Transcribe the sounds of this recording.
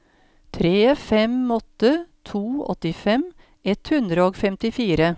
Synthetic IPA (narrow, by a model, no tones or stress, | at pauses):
t̪ʰɾeːfɛmːɔt̪ːət̪ʰuːɔ̰t̪ɪfɛm | ɛt̪hʉnd̪ɾəoːɡfɛmt̪ɪfiːɾə